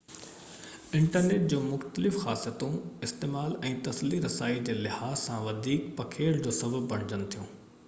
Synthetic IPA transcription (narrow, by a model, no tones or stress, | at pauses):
ɪ̃ɳʈəɾneːʈ̚d͡ʑõːmʊxt̪əlɪfxaːsijət̪ũɪst̪eːmaːlɛ̃ːt̪ɐsliɾɐsaːid͡ʑeːlɪhaːzsãʋɐd̪ʱiːkpɐkʰeːld͡ʑoːsɐbəb̚pɐɽ̃ɪd͡ʑənɪ̆t̪ʰijũː